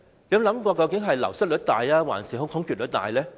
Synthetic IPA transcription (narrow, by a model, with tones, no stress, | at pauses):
le˧˥jɐ˧lɐ˨˥mkʷɔː˧kɐ˧wkɪ˨˥ŋɦɐ˨jlɐ˨˩wsɐ˥lɵ˨˥t̚t̪aː˨jaː˥wa̰ː˨˩nsiː˨˩hʊ˨˥ŋtʰhʊ˧˥ŋkʰyː˨˩lɵ˨˥t̪a̰ː˨jlɛː˥